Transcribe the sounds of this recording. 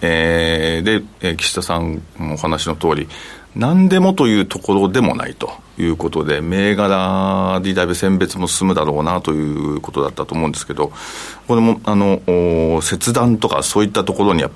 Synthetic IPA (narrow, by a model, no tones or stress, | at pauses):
eːd̪e̞ekʲi̥ɕi̥t̪asãŋohanaɕino̞t̪o̞ːɾʲinãnd̪e̞mo̞t̪o̞jɯ̟ːt̪ʰo̞ko̞ɾo̞d̪e̞mo̞̰na̰it̪o̞̥ | jɯ̟ːko̞t̪o̞d̪e̞me̞ːɡaɾad̪ʲid̪aibɯsẽ̞mbe̞t͡sɨmo̞sɨ̥sɨmɯ̟d̪aɾo̞ːnat̪o̞jɯ̟ːko̞t̪o̞d̪at̪ːat̪oːmo̞ɯ̃nd̪esɨ̥ked̪o̞ko̞ɾe̞mo̞ano̞ː | se̞t͡sɨd̪ãnt̪o̞ka̰so̞ːit̪ːat̪o̞ko̞ɾo̞ɲ̟ijapː